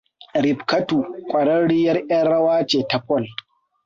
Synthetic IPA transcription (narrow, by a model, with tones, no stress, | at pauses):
ɾɪ˨bkɐ˦tuː˨kʷʼɐ˨ɽɐ˦ɽi˦jɐ˦rʔjɐ˦nɽɐ˦waː˦t͡ʃeː˨ta˨ɸɔ˦˨l